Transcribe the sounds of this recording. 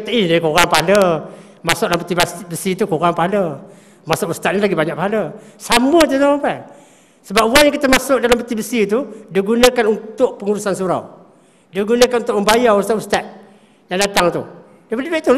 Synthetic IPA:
t̪ʔinikoɣaŋpaalə | masʊklampət̪ibabəsit̪ukoɣaŋpaɦalə | masʊʔust̪at̪̚nilaɡibaɲaʔ̚paɦaləsamət̪ut̪amapan | səbap̚uwaŋjaŋkit̪əmasʊʔ̚dalambət̪ibəsit̪udiɡunəkanunt̪ʊʔpəŋuɾusansuɾa̰w | diəɡunəkanunt̪ʊʔ̚məmbajaust̪aʔust̪at̪̚ | jaŋdat̪aŋt̪u | dapədibeʔt̪u

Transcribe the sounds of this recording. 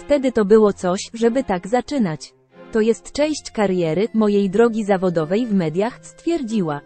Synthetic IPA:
ft̪ɛd̪ɘt̪ɔbɘwɔt̪sɔɕʐɛbɘt̪aɡzat͡ʂɘnat͡ɕ | t̪ɔjɛst̪t͡ʂɛ̃w̃ɕt͡ɕkaɾjɛɾɘmɔjejd̪ɾɔɡʲizavɔd̪ɔvɛjvmɛd̪ʲjaxst̪fʲjɛɾd͡ʑiwa

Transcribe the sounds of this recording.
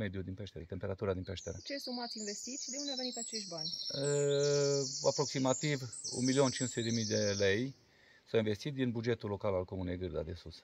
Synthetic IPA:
med̪jud̪inpɛʃt̪eɾɛt̪empeɾat̪uɾad̪inpɛʃt̪ɛɾɛt͡ʃesumat̪invest̪it̪sʲd̪euneavenit̪at͡ʃeʃbanʲə | apɾoksimat̪ivṵnmiliont͡ʃinsutut̪ed̪emid̪elej | sainvest̪it̪̚d̪inbud͡ʒet̪ulokalalkomunɛjɡɨɾd̪a̰d̪esus

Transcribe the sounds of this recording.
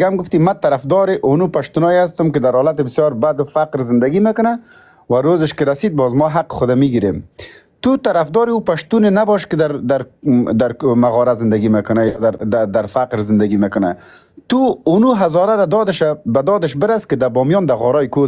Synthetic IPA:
ɡaamɡʊft̪imat̪aɾafd̪ɔɾɪʔʊnupaʃt̪unɔjas̬t̪ʊmkɪd̪aɾhɔlat̪̬ɪbɪsjɔɾbad̪ʊfaqɾzɪnd̪aɡimekʊna | waɾozɪʃkɪɾasid̪̚bɔzmɔɦaqɪ̥xʊd̪amiɡiɾem | t̪ut̪aɾafd̪ɔɾɪupaʃt̪unɪnabɔʃkɪd̪aɾd̪aɾd̪aɾmaɣɔɾazɪnd̪aɡimekʊnajd̪aɾd̪ad̪aɾfaqɾzɪnd̪aɡimekʊna̰ | t̪uʊnuɦazɔɾaɾad̪ɔd̪ɪʃabad̪ɔd̪ɪʃbɪɾaskɪd̪abɔmjɔnd̪aɣɔɾɔjko

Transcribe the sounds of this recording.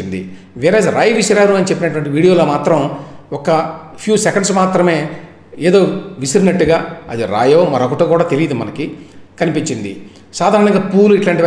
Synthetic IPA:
ind̪ḭ | ʋiːɾaːsɾaːjʋisɐɾaːɾuɐnit͡ʃepːinɐʈʋɐɳʈiʋiːɽijoːlo̞ːmaːt̪ɾɐmɔkɐ | pʰjuːsekɐɳɖsmaːt̪ɾɐme̞ː | eːd̪o̞ːʋisiɾinɐʈːuɡaːɐ̰d̪iɾa̰ːjoːmɐɾokɐʈuːkuːɽaːt̪e̞lijid̪imɐnɐkikɐnipiɲt͡ʃind̪ḭ | saːd̪ʱaːɾɐɳɐŋɡaːpuːluiʈlaːɳʈiʋ

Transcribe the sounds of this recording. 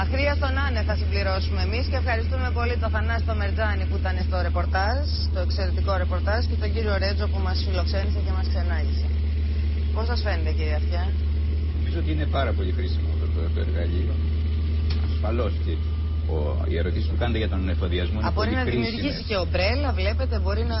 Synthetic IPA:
ɐxɾiɐst̪o̞nɐneθɐsimbliɾo̞sume̞ːmisce̞ːfxɐɾist̪ume̞po̞lit̪oθɐnɐst̪o̞me̞ɾd͡zɐnipuit̪ɐne̞st̪o̞ɾe̞po̞ɾt̪ɐz | t̪oe̞kse̞ɾe̞t̪iko̞ɾe̞po̞ɾt̪ɐzce̞t̪o̞ɲɟiɾio̞ɾe̞d͡zo̞pumɐsfilo̞kse̞nise̞ce̞mɐskse̞nɐʝise̞ | po̞sɐsfe̞net̪eciɾiɐfçɐ | omizoot̪iinepɐɾɐpo̞ʎixɾisimot̪ot̪ot̪oḛɾɣɐʎio | ɐsfɐlo̞sce | ḭe̞ɾo̞t̪isispukɐnet̪eʝɐt̪o̞nefoðiɐzmobo̞ɾiinɐðimiusɾʝisice̞o̞bɾe̞lɐvle̞pe̞t̪e̞bo̞ɾinɐ

